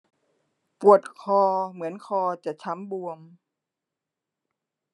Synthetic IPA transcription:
pu˨˩ət̪̚kʰɔː˧mɯ˩˦ənkʰɔː˧t͡ɕa˨˩t͡ɕʰa˦˥mbu˧əm

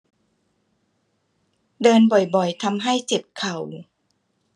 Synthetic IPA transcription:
dɤː˧nbɔ˨˩jbɔ˨˩jt̪ʰa˧mɦa˥˩jt͡ɕe˨˩p̚kʰa˨˩w

